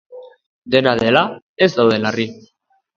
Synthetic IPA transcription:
d̪e̞naðela | ezd̪awðe̞lari

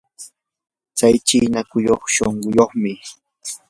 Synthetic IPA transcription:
t͡sajt͡ʃiːnakʊjoχʃoɴɢʊjoχmɪ

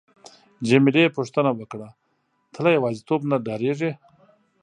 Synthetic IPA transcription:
d͡ʒemilepuʂt̪ənawəkɽa | t̪ʰəlajawɑzit̪obnaɖɑɾeʐe

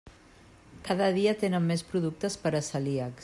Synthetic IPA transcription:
kaðəðiət̪enəmːespɾuðuk̚t̪əspəɾəsəliəks

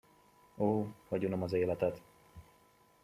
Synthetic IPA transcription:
oːhɒɟonomɒzeːlɛt̪ɛt̪

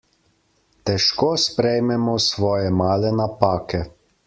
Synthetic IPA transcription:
t̪ɛʃkoːspɾɛjmɛmɔsʋɔːjɛmaːlɛnapaːkɛ

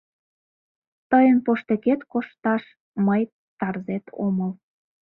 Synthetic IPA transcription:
t̪əjənpoʃt̪eket̪koʃt̪ɑʃ | məj | t̪ɑrzet̪ʰo̰məl

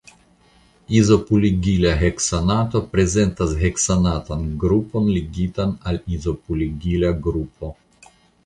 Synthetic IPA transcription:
izo̞puliɡilaɦeksanato̞pɾe̞ze̞ntasɦe̞ksanatanɡɾupo̞nliɡitanalizo̞puliɡilaɡɾup̚ʰo̞

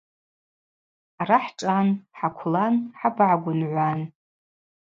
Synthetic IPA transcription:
araħʈ͡ʂʼanħakʷʰlanħabʕaɡʷʊnʕʷan

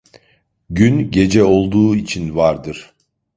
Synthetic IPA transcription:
ɟynɟe̞d͡ʒɛo̞lˠd̪uːit͡ʃʰinvaɾd̪ɯɾ̥

